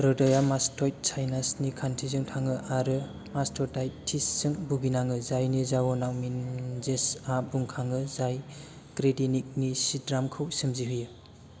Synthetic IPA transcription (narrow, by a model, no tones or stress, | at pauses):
ɾɔdajamastɔjt̚sʰajnasnikʰantʰizɯŋtʰaŋɯʔaɾɯ | mastʰɔdajtʰːisːɯŋbuɡinaŋɯzajnizawɔnawminzesabuŋkʰaŋɯzaj | kɾedinik̚nisidɾamkʰɯwsɯmziɦɯjɯ